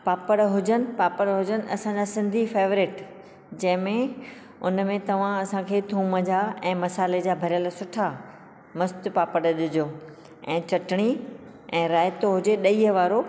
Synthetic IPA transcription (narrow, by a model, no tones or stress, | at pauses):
paːpəɽɦʊd͡ʑənɪ̆paːpəɽɦʊd͡ʑənɪ̆ɐsãd͡ʑasɪ̃nd̪ʱifeːʋɾɪʈ | d͡ʑɐ̃ɦɪ̃mẽ | ʊnmẽt̪ɐʋ̤ãɐsãkʰeːt̪ʰũːməd͡ʑaːʔɛ̃ːmɐsaːled͡ʑaːbʱɐɾjəlsʊʈʰa | mɐst̪paːpəɽəɗɪd͡ʑo | ɛ̃ːt͡ɕɐʈɪɽ̃i | ɛ̃ːɾaːjɪt̪oɦʊd͡ʑeɗɐiːəʋaːɾo